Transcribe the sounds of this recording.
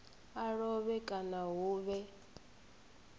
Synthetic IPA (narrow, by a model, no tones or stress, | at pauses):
aɺɔβɛkʼanaɦuːβɛ